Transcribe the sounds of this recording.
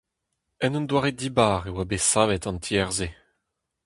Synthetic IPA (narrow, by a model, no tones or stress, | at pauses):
ɛnɔ̃nd̪waːʁedibaːʁewabesaːvɛt̪ɑ̃ntʰiɛʁze